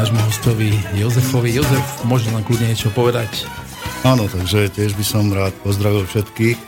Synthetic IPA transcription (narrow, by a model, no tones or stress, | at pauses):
aːʒmuɦɔscɔʋijɔzɛfɔʋijɔzɛfmʊɔʒɛlamklud̪ɲɛɲjɛt͡ʃɔpɔʋɛd̪ac | aːnɔt̪aɡʒɛcɪɛʒbisɔmɾaːt̪pɔzd̪ɾaʋilˠfʃɛt̪kix